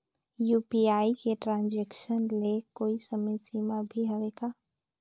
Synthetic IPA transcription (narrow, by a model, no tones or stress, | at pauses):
jupiaːikeʈɾãːnd͡ʒekʃənlekoːisəməsimãbʱiɦəʋekaː